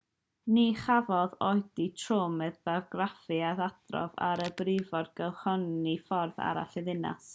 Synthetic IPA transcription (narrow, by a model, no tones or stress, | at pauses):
niχavɔðɔjditʰr̥oːmɨðb̥aɡrafɨaðadrɔ̰va̰ɾəbrɪvɔrɡəlˠχɔnifɔrða̰ɾa̰ɬɪðɪna̰s